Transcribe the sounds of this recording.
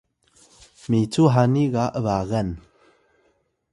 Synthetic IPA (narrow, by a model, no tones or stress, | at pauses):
mit͡suɦaniɣaʔəvaɣən